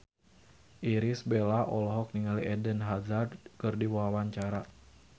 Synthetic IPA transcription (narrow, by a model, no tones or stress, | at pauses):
ʔiɾisbelaʔɔlɔɦɔk̚niŋaliʔɛdənɦazardkɨrdiwawaɲt͡ʃaɾa